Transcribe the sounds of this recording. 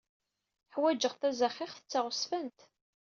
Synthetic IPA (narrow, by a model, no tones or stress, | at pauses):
ħwæd͡ʒəʁθæzæχːiχθə̥t͡sːaʁʊsfənt̪